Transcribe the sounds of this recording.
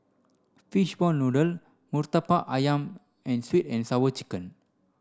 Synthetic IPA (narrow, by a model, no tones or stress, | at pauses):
fiʃbɔlnodəl | murt̪apaʔajãm | ʔɛ̃nswit̪ɛ̃nsawət͡ʃi̥kə̃n